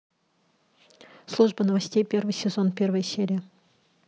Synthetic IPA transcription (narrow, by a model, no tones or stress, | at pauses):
slˠuʐbənəvɐsʲtʲejpʲe̞rvɨjsʲɪzonpʲe̞rvəjəsʲeɾʲɪjə